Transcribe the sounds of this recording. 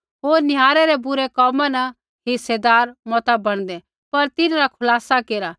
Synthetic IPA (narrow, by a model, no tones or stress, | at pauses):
ɦoːɾnɪɦaːɾɛɾɛbʊɾɛkɔːmanɐ | ɦɪsːed̪aːɾmɔːt̪abɐɽ̃d̪ɛ | pɐɾt̪ɪnãɾakʰʊlaːsakeːɾa